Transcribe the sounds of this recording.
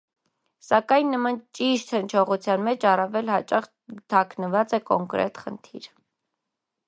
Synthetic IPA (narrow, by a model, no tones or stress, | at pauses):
sɑkɑjnːəmɑnt͡ʃiʃt̪hənt͡ʃʰɔʁut͡sʰjɑnmɛt͡ʃʰɑrɑvɛlhɑt͡ʃɑχ | t̪ʰɑknəvɑt͡sɛkɔŋkɾɛ̰t̪χə̰nt̪ʰḭɾ